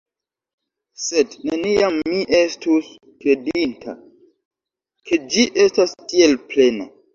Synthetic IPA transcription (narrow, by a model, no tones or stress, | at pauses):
sedneniamːiʔe̞stus | kɾe̞dintʰa̰ | kʰe̞d͡ʒiʔe̞stastie̞lple̞na